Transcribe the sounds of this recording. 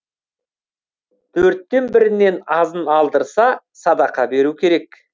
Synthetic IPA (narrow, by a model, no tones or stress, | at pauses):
t̪ʰɵɾt̪ːe̞nbɪɾɪne̞nɑzənɑlˠd̪əɾsɑ | sɑd̪ɑqɑbe̞ɾukʲʰe̞ɾe̞k